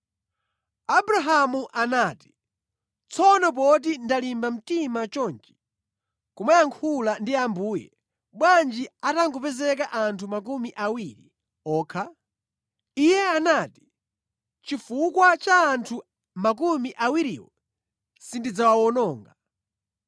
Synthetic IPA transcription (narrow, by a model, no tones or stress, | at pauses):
abɾaɦamuʔanaːti̥ | t͡sʰɔnɔp̬ɔt̬indalimbam̩timat͡ʃɔnt͡ʃi̥ | kumajaŋkʰulandiambuːjɛ̰ | ɓwand͡ʒiataŋɡupɛzɛk̬aʔantʰumak̬umiʔawiɾḭ | ɔːkʰa | ijɛanaːti̥ | t͡ʃifukwat͡ʃaːntʰu | mak̬umiʔawiɾḭwɔ̰ | sindid͡zawawɔnɔːŋɡa